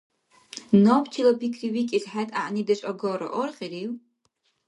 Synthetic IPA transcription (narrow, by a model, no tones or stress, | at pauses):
nopʰtʰilapʰikʰriwikʲʼizħatʼa̰ʔnidat͡ʃʷʼaɡoɾa̰ʔorχʲʼiriw